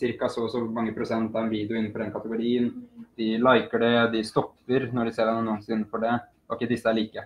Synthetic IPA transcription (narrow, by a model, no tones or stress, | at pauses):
sɪɾkɑsɔsɔmɑŋːəpʰɾʊsɛnt̪ɑʋɛnʋiːd̪ɛʊɪn̩ːfɔɾɖ̪ɛnkʰɑt̪əɡʊɾiːənd̪̥ɪlaɪkəɖɛd̪ɪst̪ɔpːəɾnɔɖɪseːɾɖɑnənuːənsɪnːəfɔɖɛ | ɔɪkːəd̪ɪsːəæɭiːkə